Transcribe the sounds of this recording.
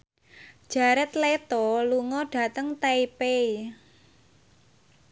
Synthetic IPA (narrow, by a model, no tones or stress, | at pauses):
d̥ʒ̥a̤ɾɛt̪let̪ɔluŋɔɖ̥ä̤t̪əŋt̪eipei